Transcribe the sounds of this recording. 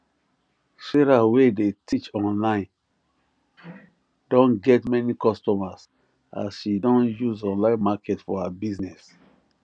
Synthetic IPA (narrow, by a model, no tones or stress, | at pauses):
ʃɛɾawedetʰit͡ʃɔ̃nlãɪ̃n | d̥ɔ̃nɡɛtmɛnikɔstɔmas | a̰sʃidɔ̃njuzɔ̃nlãɪ̃nmakɛtfɔhabiznɛs